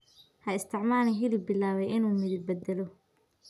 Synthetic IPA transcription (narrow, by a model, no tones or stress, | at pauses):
hɐɪst̪ʰɪʕmaːlɛɦɪlɪbɪlaːβɛjʔɪnuːmɪðɪbɐd̪ɛlɔ